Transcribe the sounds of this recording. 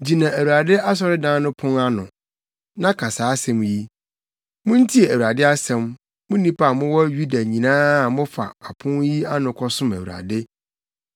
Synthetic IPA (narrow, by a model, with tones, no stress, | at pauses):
d͡ʑi˨nã˨æ˨wu˨ɾa˨dɪ˦a˦s̬ɔ˦ɾɪ˦dãː˦nʊ̃˦pʰʊ̃˦ŋa˦nʊ̃˨ | nã˦kʰa˨saː˨˦sɛ̃˨mji˦ | mʊ̃˦n̩˦tʰi˦e˨æ˨wu˨ɾa˨dɪ˦a˦sɛ̃˨m | mʊ̃˦nĩ˦pʰa˦a˨mʊ̃˦wɔ˦ɥu˦da˨ɲĩ˨nãː˦˨mʊ̃˦fa̰˨a˨pʰʊ̃˦nji˦a˦nʊ̃˨kʰɔ˦sʊ̃˦mæ˨wu˨ɾa̰˨dɪ˦